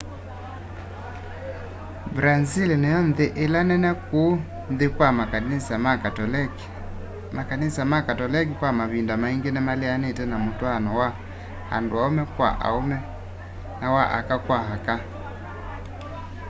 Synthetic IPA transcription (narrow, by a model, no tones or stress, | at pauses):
bɾazilnejɔnðeʔelanɛnɛko | nðekwamakanisamakal | makanisamakatɔlɛk̬ikwamaβindamaiŋɡenɛmaleanetɛnamotwaanɔwa | ha̰ndoaomɛkwa̰ʔa̰omɛ | nawaʔa̰kakwaɦaka